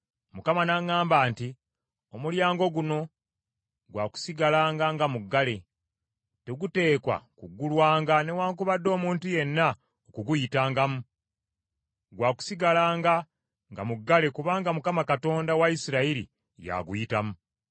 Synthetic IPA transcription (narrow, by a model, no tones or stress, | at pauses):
mukamanaŋːaːmbaːnti | omuljaːŋɡo̞ɡuno̞ | ɡwaːku̥siɡalaːŋɡaŋɡamuɡːale̞ | teɡute̞ːkwa̰kuɡulwaːŋɡane̞waːŋkuβadːo̞ːmuːntuje̞nːa | okuɡujitaːŋɡamu | ɡwaːku̥siɡalaːŋɡa | ŋɡa̰muɡːale̞kuβaːŋɡamukamakato̞ːndawaisiɾaiɾḭ | ja̰ɡujitamu